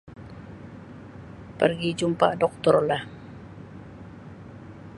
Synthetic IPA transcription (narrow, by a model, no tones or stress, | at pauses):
pərɡid͡ʒumpadɔk̚t̪ɔrlah